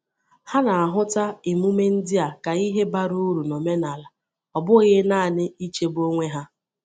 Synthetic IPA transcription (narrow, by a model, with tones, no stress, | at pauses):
ha˦na˨a˨ɦʊ˦ta˦ɪ˨mu˦me˦n̩˦dɪ˦a˨ka˨i˦ɦe˦ba˦ɾu˦u˦ɾu˨no˨me˦na˨la˨ | ɔ˨bʊ˦ɣɪ˦naː˦˨nɪ˦i˦t͡ʃe˦bo˦ŋʷe˦ɦa˦